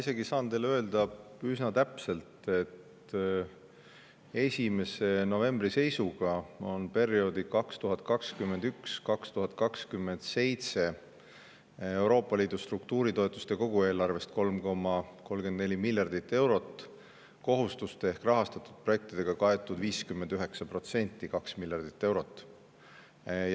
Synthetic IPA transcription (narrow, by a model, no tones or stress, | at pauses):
ise̞ɡisɑːnt̪e̞jlø̞eld̪ɑ | ysnɑt̪æpse̞lt̪e̞t̪ | e̞sʲime̞se̞no̞ve̞mbɾise̞jsuɡ̥ɑo̞npe̞ɾijo̞d̪ikɑkst̪uɦɑt̪̚ˑkɑkskyme̞nd̪ykskɑkst̪uɦɑt̪̚kɑkskymːe̞nd̪̥se̞jt̪se̞ | ewɾo̞ːpˑːɑliːd̪̥ust̪ruk̚t̪uːɾit̪o̞e̞t̪ːˑust̪e̞ko̞ɡ̥ue̞ːlɑrve̞st̪̚ko̞lmko̞mːɑko̞lmɡe̞nd̪ne̞lʲimilʲjɑrd̪̥it̪ːˑe̞wɾo̞t̪ːˑ | ko̞ɦust̪ust̪ee̞hkrɑɦɑst̪ɑt̪ːˑud̪̥̚pro̞je̞k̚t̪id̪̥e̞ɡ̥ɑkɑe̞t̪ːˑud̪viːskymːend̪yɦe̞ksɑpro̞t̪se̞nʲt̪ːˑikɑksmilʲjɑrd̪̥it̪ːe̞wɾo̞t̪ːˑ